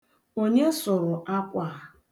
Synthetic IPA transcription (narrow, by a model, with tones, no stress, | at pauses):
o˦ɲe˦sʊ˨ɾʊ˨ʔa˦kʷa˨